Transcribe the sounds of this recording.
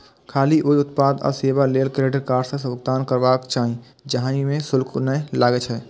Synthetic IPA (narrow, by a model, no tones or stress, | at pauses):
kʰaːliʔoːiʊt̪̚paːd̪ɔ̰ːseːbaleːlkɾeːɖəɾkaːɾsẽsʊɡ̚d̪aːnkəɾʋaːkt͡ʃaːɦĩ | d͡ʒəɦãimẽsʊlkʰnəelaːɡet͡ʃʰɛː